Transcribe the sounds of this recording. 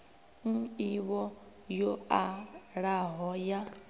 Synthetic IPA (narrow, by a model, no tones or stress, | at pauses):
ŋ̩iβɔ | joaɺaɦɔja